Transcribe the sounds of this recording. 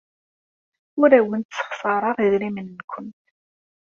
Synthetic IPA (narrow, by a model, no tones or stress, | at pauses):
ʊɾæwənt̪sə̥χsˤɑɾˤɑʁiðɾimənːkʷʰən